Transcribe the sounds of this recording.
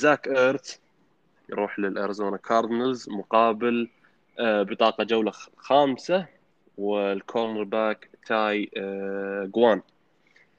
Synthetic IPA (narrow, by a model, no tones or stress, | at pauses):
zakʔəːɾt̪ | jɾuːħlɪlʔaɾazoːnakʰɑːɾd̪ɪnalzmʊqɑːbɪl | bɨt̪ˤɑːqɑd͡ʒawlaxaːmsa | wɪlkʰoːɾnɾbaːkt̪ʰaːj | ɡwaːn